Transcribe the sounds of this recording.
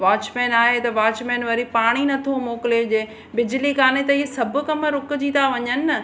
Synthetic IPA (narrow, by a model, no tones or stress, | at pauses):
ʋaːt͡ɕmeːnaːɦet̪ɐʋaːt͡ɕmeːnʋɐɾipaːɽ̃inɐt̪ʰomoːkɪled͡ʑeː | bɪd͡ʑlikaːnet̪ɐiɦesɐbʱʊ̆kɐməɾʊkʊ̆d͡ʑĩːt̪aʋɐɲənɪɐ